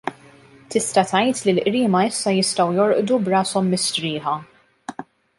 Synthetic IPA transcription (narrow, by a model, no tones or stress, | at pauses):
t̪ɪst̪ɐt̪ɐjt̪lilʔɾiːmɐɪsːɐjɪst̪ɐwjɔɾʔd̪ubɾɐːsɔmːɪst̪ɾɪːħɐ